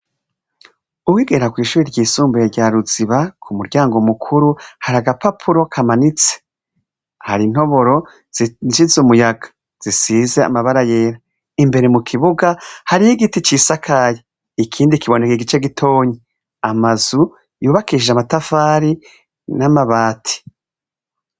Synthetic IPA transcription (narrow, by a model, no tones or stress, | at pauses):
uwiːɡeɾakwiːʃuːɾiɾɟiːsuːmbejeɾɟaːɾuziβakʰumuɾɟaːŋɡo̞mukʰuɾuhaɾaɡapapʰuɾo̞kʰamanit͡se̥ | haɾin̥ho̞βo̞ɾo̞ | ʃizumujaɡ̥ḁ | z̥isizea̰maβaɾaje̞ːɾa | imbe̞ɾe̞mukʰiβuɡahaɾihiɡitit͡ʃisakʰaje | ikʰiːndikiβo̞nekeɡit͡ʃe̞ɡitʰo̞ːɲe | amazu | juːβakiʒeamatafaːɾi | namaβaːtʰi̥